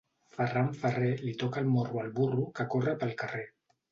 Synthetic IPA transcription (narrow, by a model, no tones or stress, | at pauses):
fəraɱfərelit̪ɔkalmorualβurukakorəpəlkare